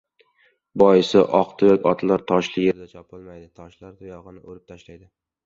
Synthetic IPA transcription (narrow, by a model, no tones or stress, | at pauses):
bɒjɪsɪʔɒqt̪ʰʊjɒkʲɒt̪ʰlˠaɾt̪ʰɒʃlɪje̞ɾd̪at͡ʃʰɒpʰɪlˠmajd̪ɪt̪ʰɒʃlaɾt̪ʰʊjɒʁɨnɪʔoɾɪp̚t̪ʰaʃlajd̪ɪ